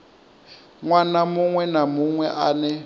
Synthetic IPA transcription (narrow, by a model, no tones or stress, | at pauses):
ŋwanamʊŋwɛnamʊŋwɛʔaːnɛ